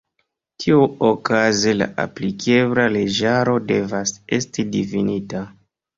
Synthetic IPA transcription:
tʰiuokazela̰ʔa̰plike̞bɾale̞d͡ʒaɾo̞de̞vase̞stidifinita

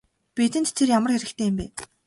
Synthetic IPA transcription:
pet̪ɘ̆nt͡ɕt̪ʰerjamə̆rxæɾɘ̆kt̪ʰeːɪmpæːn

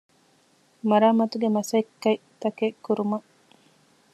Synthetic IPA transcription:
mɐɾaːmɐt̪uɡemɐsɐikːɐjt̪ɐkekːuɾumɐ

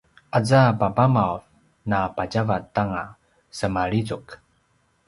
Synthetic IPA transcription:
ʔad͡zapabamawv | napaɟavatːaŋa | səmaɭizuk

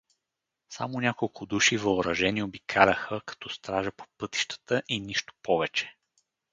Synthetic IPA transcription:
sa̰monʲakolˠkʰʊd̪uʃivəʊɾɐʒɛniobikʰalʲəxəkɐ̥t̪ɔst̪ɾaʒəpo̥pɤt̪i̥ʃt̪ə̥t̪əʔiniʃt̪o̥pɔvɛt͡ʃɛ̥

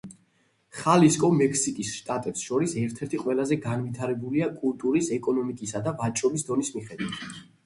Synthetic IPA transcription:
χaliskʼɔmɛkʰsikʼisʃt̪ʼat̪ʼɛpsʃɔɾisɛɾt̪ʰɛɾt̪ʰiqʼwɛlˠazɛɡanvit̪ʰaɾɛbuliakʼulˠt̪ʼuɾisɛkʼɔnɔmikʼisad̪avat͡ʃʼɔbisd̪ɔnismiχɛd̪wit̪ʰ

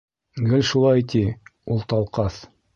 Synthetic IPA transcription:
ɡɘlʲʃulˠɑjt̪iulˠt̪ɑlˠqɑs

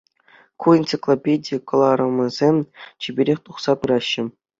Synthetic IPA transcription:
kuint̪sɨklˠopʲedʲikɤ̆lˠɑɾɤ̆mʲɤ̆zʲemʲt͡ɕibʲeɾʲexʲt̪uχsɑpɯɾɑɕːɘ̆

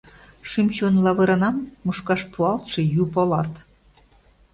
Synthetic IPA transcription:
ʃymt͡ɕonlɑβɤɾɑnɑmːuʃkɑʃpʰuɑlt̪ʃɤ̆jupolɑt̪

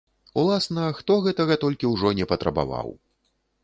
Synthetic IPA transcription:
ulˠasnɐxt̪ɔɣɛt̪ɐɣɐt̪ɔlʲkʲiwʐɔnʲɛpɐt̪ɾɐba̰va̰w

